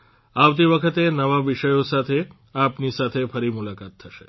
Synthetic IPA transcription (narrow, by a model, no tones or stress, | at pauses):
aʋt̪iʋəkʰət̪enəʋaʋiʃəjosat̪ʰe | apnisat̪ʰefəɾimulakat̪ʰːəʃḛ